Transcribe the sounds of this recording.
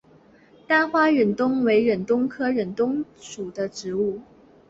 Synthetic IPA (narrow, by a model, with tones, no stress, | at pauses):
t̪a˥˩xwa˥ɥɛ˨˩nt̪ʊ˥ŋwe˧˥ɪɻə˨˩nt̪ʊ˥ŋkʰɤ˥ɻə˨˩nt̪ʊ˥ŋʂu˨˩d̪ə˦ʈ͡ʂɻ̩˧˥u˥˩